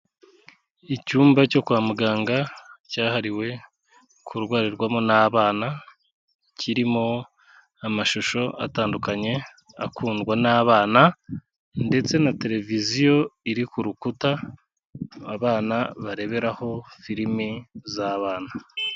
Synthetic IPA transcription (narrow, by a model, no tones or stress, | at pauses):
icuːmbaco̞kwaːmuɡaːŋɡacaːhaɾiwe̞ | kʰuɾɡwaːɾiɾɡwamonaβaːna | cʰiɾimo̞ | amaʃuʃo̞ʔa̰taːndukaɲe̞ | a̰kuːnɡwanaːβaːna | nde̞t͡se̞nate̞ɾe̞vizijo̞iɾikuɾukuta | βaːnaβaɾe̞βe̞ɾaho̞fiɾimizaːβaːna